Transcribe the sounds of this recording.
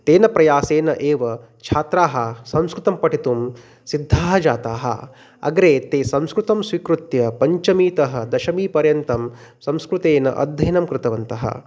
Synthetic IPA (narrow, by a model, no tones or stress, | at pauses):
t̪eːnɐpɾɐjaːseːnɐʔeːʋɐ | t͡ʃʰaːt̪ɾaːɦɐsɐ̃mskɾut̪ɐmpɐʈʰit̪um | sid̪ʱːaːɦɐd͡ʒaːt̪aːɦɐ̰ | ɐ̰ɡɾeːt̪eːsɐ̃mskɾut̪ɐmsʋikɾut̪jɐpɐɲt͡ʃɐmiːt̪ɐɦɐ̆d̪ɐʃɐmiːpɐɾjɐnt̪ɐmsɐ̃mskɾut̪eːnɐ̰ʔɐ̰d̪ʱːɐjnɐmkɾɪt̪ɐʋɐnt̪ɐ̰ɦɐ̰